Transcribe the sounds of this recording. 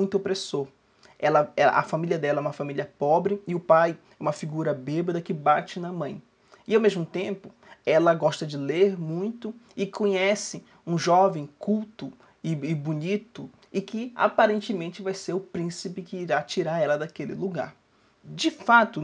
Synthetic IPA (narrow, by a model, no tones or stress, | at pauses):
ũj̃t̪ʊopɾesoɾ | ɛlɐɛɐ̰ʔɐ̰familiɐd̪ɛlɐɛũmɐfamiliɐpɔbɾɪɪʊpaj | ɛũmɐfiɡuɾɐbebed̪ɐkɪbat͡ʃɪnɐmɐ̃j̃ | ɪawmezmʊt̪ẽmpʊ | ɛlɐɡɔʃt̪ɐd͡ʒɪleɾmũj̃t̪ʊɪkʰõɲɛsɪ | ũʒɔvẽj̃kuwt̪ʊ | ɪɪbunit̪ʊ | ɪkɪa̰paɾẽnt͡ʃɪmẽnt͡ʃɪvajseɾʊpɾĩsipɪkɪiɾat͡ʃiɾaɾɛlɐd̪akelɪ̰luɡa̰ɾ | d͡ʒɪfat̪ʊ